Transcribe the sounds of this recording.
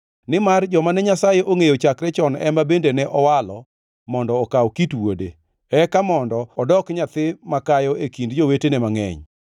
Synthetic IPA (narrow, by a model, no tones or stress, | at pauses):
nɪmard͡ʒɔmanɛɲasajeʔoŋejot͡ʃakɾɛt͡ʃɔnɛ̰mbabendenɛʔɔwalɔ | mɔndɔːkawkitwode | ɛkamɔndɔɔdɔkɲat̪ɪmakajɔekindd͡ʒowetenɛmaŋɛ̰ɲ